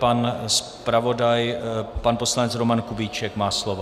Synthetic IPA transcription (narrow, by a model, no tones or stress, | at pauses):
pans | pɾavo̞dajpanpo̞slanɛt͡sɾomankubiːt͡ʃɛkmaːslovo